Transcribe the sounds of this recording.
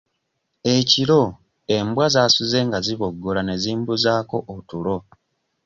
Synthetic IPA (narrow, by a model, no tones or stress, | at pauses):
e̞ciɾo̞ | e̞mbwazasuze̞ŋɡaziβoɡːolane̞ziːmbuzaːko̞ʔoutulo̞